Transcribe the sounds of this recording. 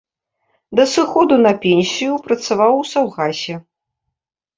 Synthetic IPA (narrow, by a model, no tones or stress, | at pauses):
d̪ɐsɨxɔd̪unɐpʲɛnʲsʲijupɾɐt̪savawsawɣasʲɛ